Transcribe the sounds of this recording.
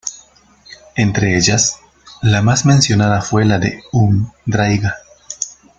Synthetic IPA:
ent̪ɾeeʎas | lamasmẽnsjo̞naðafwe̞laðḛumd̪ɾajɡa

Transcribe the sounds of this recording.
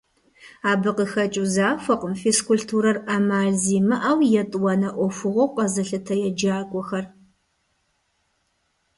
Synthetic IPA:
aːbɨqəxɐt͡ʃʼuzaːfɐqəmfiskʷʊɬtʰuɾɐramaːɮziːmɐʔaːwjɛtʼwɐnɐʔʷɔfʷʊʁʷɔwqʼɐzɐɬɨtʰɐjɛd͡ʒaːkʷʼɔxɐr

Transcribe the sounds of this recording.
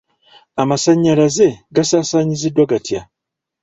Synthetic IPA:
amasaɲːalaze̞ɡasaːsaːɲizidwaɡatja

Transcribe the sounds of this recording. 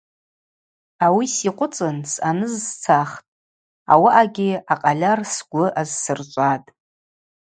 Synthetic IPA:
awisiqʷʼʊt͡sʼɨnsanɨzt͡sʰaχtʼ | a̰waʔaɡʲɪaqʼalʲarsɡʷʊʔazsɨrt͡ʃʷʼatʼ

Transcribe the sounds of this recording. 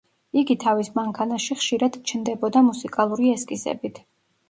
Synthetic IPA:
iɡit̪ʰavismaŋkʰanaʃiχʃiɾad̪t͡ʃʰnd̪ɛbɔd̪amusikʼalˠuɾiɛskʼisɛ̰bit̪ʰ

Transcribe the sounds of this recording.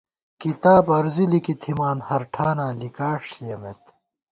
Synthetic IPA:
kit̪aːbɐɾzilikit̪ʰimaːnhɐɾʈʰaːnaːlikaːʂlijɐmet̪

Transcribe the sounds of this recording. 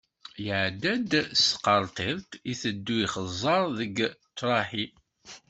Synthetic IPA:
jəʕd̪æd̪sqːəɾˤt̪ˤiɾt̪iθəd̪ːuiχəzˤːɑɾˤðəɡt̪ːɾˤɑħi

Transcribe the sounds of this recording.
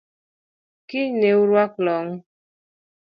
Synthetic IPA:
kineuɾwaklɔŋ

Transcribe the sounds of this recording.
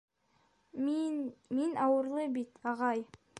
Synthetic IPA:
minɑwɤɾlˠɤbit̪ɑʁɑj

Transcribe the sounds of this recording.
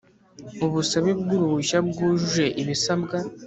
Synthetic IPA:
uβusaβibɡuɾuβuʃabɡuːʒuʒe̞ʔiβisabɡa

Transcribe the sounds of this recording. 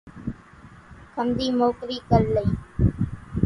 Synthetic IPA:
kʰənd̪iːmoːkɾiːkəlləi

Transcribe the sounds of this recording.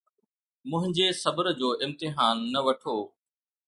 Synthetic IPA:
mʊ̃ɦɪ̃ɲd͡ʑeːsɐbəɾd͡ʑoːʔɪmt̪ɪɦaːnːɐʋɐʈʰoː

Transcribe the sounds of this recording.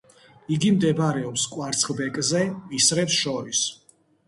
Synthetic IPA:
iɡimd̪ɛbɾɛɔpskʼwaɾt̪sʰχˠbɛkʼzɛisɾɛpsʃɔɾis

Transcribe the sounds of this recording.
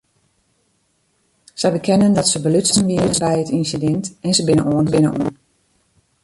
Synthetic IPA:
səjbəkʰɛnəndɔtsəbəlytsəənʋiərəsbɛjətinsidɛntɛnsəbɪnə̰nʔoənbɪnə̰ʔo̰ən

